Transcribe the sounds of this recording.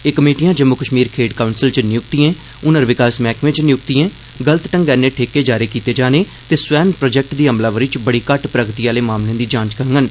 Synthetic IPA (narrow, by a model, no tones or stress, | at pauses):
eːkəmeːʈijãːd͡ʒəmːʊkəʃmiːɾkʰeːɖkaːʊnsɪlt͡ʃnɪjʊkt̪iẽː | ʊnəɾʋɪkaːsmɛːkʋẽt͡ʃnɪjʊkt̪ijẽː | ɡələt̪ʈə̃ŋɡɛːneːʈʰeːkeːd͡ʒaːɾeːkiːt̪eːd͡ʒaːneː | t̪eːsʋɛːnpɾoːd͡ʒɛːk̚ʈd̪iːəmlaːʋəɾit͡ʃbəɽiːkəʈpɾəɡt̪iːaːleːmaːmlẽːd̪iːd͡ʒãːt͡ʃkəəŋɡən